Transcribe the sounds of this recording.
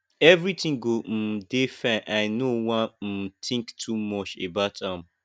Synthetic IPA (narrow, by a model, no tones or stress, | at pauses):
ɛvɾitʰĩŋɡom̩defɛ̃ʔaɪnowãm̩tʰĩŋktʰumɔt͡ʃḛbaʊtʰãm